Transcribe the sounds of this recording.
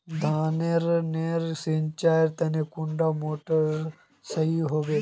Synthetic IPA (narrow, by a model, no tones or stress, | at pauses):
d̪ʱaːneɾneːɾsint͡ʃaːeɾt̪ɐnekʊɳɖamoːʈəɾ | sɐɦiɦoːʋeː